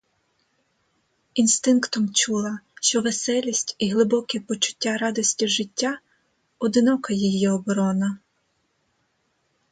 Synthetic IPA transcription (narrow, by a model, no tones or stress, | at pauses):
inst̪ɪnkt̪ɔmt͡ʃulˠɐʃt͡ʃɔʋesɛlʲisʲtʲiɦlˠɪbɔkɛpɔt͡ʃʊ̥tʲːaɾɑd̪ɔsʲtʲiʒɪtʲːa | ɔd̪ɪnɔkɐjijiɔbɔɾɔnɐ